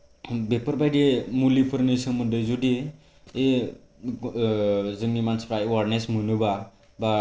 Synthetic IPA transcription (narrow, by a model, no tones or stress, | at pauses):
bepʌɾbajdemulipʰɯɾnisʌmʌndɯjzudiː | zɯŋnimanspɾajwaɾnesmunuba | ba